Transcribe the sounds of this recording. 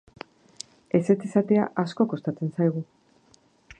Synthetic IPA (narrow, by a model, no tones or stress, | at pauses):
e̞se̞t͡sisat̪ea̰ʔasko̞ko̞st̪at͡se̞nsajɣ̞u